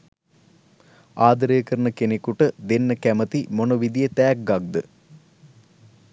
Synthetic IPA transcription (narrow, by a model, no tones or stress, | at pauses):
aːd̪ɾejːkɐɾɳəkenekuʈəd̪enːəkæmət̪imonoʋid̪ijɐt̪æːk̚ɡɐɡ̚d̪ə